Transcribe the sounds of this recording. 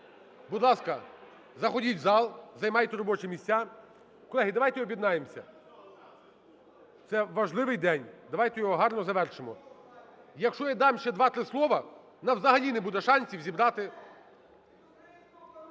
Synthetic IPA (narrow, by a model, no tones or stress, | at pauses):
bud̪lˠɑskɐ | zɐxɔdʲitʲzɑlˠzɐjmɑjt̪ɛɾɔbɔt͡ʃɛmʲisʲt͡sʲːa | kɔlˠɛɦid̪ɐʋɑjt̪ɛjɔbʲjid̪nɑjemsʲɐ | t̪sɛʋɐʒlˠɪʋɪjd̪ɛnʲd̪ɐʋɑjt̪ɛjɔɦɔɦɑrnɔzɐʋɛrʃɪmɔ | jɐkʃt͡ʃɔjad̪ɑmʃt͡ʃɛd̪ʋɑt̪ɾɪslˠɔʋɐ | nɐwzɐɦɐlʲinebud̪ɛʃɑnʲsʲiwzʲibɾɑt̪ɪ